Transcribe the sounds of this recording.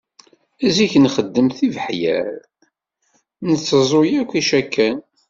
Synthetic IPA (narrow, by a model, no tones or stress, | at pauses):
æziçənχəd̪ːəmθivəħjæ̰l | nət͡sːəzˤojækʷːiʃækːæn